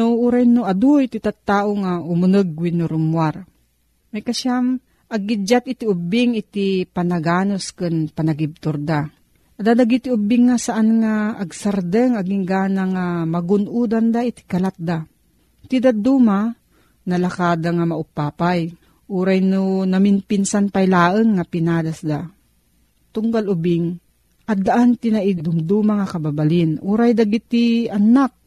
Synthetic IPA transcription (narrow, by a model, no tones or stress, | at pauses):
nouɾajnʊɐd̪uit̪it̪at̪ːaːʔoŋaʔʊmunɨɡ̚winʊɾʊmwaɾ | majkaʃam | ʔɐɡ̚ːɪd͡ʒat̪ɪt̪iʊbɪŋɪt̪ipanɐɡaːnoskɨnpɐnaɡɪb̚t̪ʊɾd̪a | ʔad̪ad̪aɡit̪iʔʊbɪŋːasaʔanŋaːɡsaɾd̪əŋaɡiŋɡaːnaŋamɐɡʊnʔuːd̪and̪ait̪i̥kɐlat̪̚d̪a | t̪ɪd̪ad̪uːma | nɐlakaːd̪aŋamaʔʊpaːpaj | ʔuɾajnunamɪnpɪnsanpajlaːʔəŋːapɪnaːd̪asd̪a | t̪ʊŋɡalʊbɪŋ | ʔɐd̪aʔant̪ɪnaʔid̪ʊmd̪umaŋakɐbabalɪnʔuːɾajd̪aɡit̪ianak̚